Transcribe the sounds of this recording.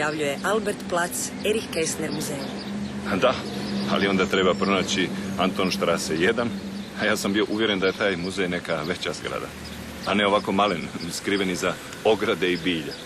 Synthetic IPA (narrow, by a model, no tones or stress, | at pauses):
jaʋʎujeʔalbeɾt̪plat̪s | eɾikːesleɾmuzej | d̪a | a̰lio̞nd̪aːt̪ɾe̞bapɾo̞naːt͡ɕiant̪oːnʃt̪ɾaseje̞d̪an | ajaːsambio̞ʔuʋjeɾe̞nd̪aje̞t̪aːjmuzejne̞kaʋe̞t͡ɕaz̥ɡɾa̰d̪a̰ | ane̞o̞ʋako̞malenskɾiːʋe̞niza | o̞ɡɾad̪e̞ibiːʎa